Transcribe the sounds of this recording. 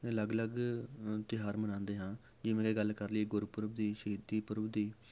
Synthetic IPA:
ələɡləɡt̪ɪɦaːɾmənãːnd̪eːɦãː | d͡ʒɪmẽːkeːɡəlkəɾləiɡʊɾpʊɾəbd̪iːʃəiːd̪iːpʊɾəbd̪iː

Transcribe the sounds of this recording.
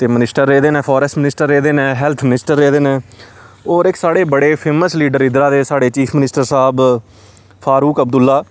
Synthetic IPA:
t̪eːmɪnɪsʈəɾːeːd̪eːnẽːpʰɔːɾɛsmɪnɪsʈəɾːeːd̪eːnẽːɦɛːlt̪ʰmɪnɪsʈəɾːeːd̪eːnẽː | oːɾɪksaːɽeːbəɽeːpʰeːməsliːɖəɾɪd̪ɾaːd̪eːsaːɽeːt͡ʃiːpʰmɪnɪsʈəɾsaɦb | pʰaːɾuːkəb̚d̪ʊlːaː

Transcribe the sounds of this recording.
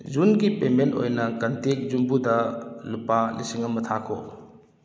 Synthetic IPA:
zunɡipemento̰jnɐkɐntek̚zumbudɐlupalisiŋɐmːɐtʰakʰo̰

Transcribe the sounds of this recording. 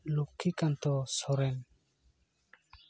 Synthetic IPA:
lukʰikant̪ɔsɔɾɛn

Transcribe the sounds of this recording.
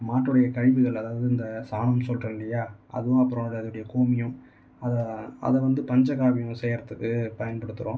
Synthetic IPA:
maːʈːɯɽɐjɐkɐɻɪʋɯɣɐɭɐðaːʋɐðɯɪnd̪ɐsaːnɐmsɔlrɐɪlːɐjaːʔɐ̰ðɯʋõɐpːɯɾɐ̃ɐɽɐðɯɯɽɐjɐkoːmɪjɯ̃ | ɐðɛɐ̰ðɛʋɐnd̪ɯpɐɲd͡ʒɐkaːʋɪjʊ̃sɛjɾɐt̪ːɐðɯpɐjɐnpɐɽɯt̪ːɯɾõː

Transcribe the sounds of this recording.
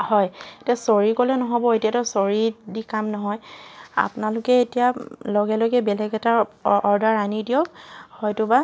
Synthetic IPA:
hɔjtiasoɹikolɛnɔɦɔbɔetijatɔsoɹidikamnɔɦɔja̰pʊnalʊkɛetijalɔɡɛlɔɡɛbɛlɛɡɛtaɔɹdaɹanidiɔkhɔjtʊba

